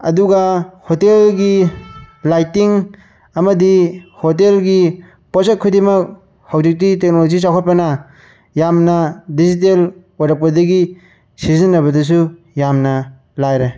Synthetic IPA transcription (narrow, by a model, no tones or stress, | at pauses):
ɐ̰duɡahotelɡi | lajtiŋ | ɐmɐdihotelɡi | poset̚kʰudimɐk̚ | hawzik̚titek̚nolozis̬awkʰɔt̚pɐnɐ | jamnɐdizit̬elwaɾɐp̚kɐdɐɡi | sizinːɐβɐdɐs̬u | jamnɐ | lajɾe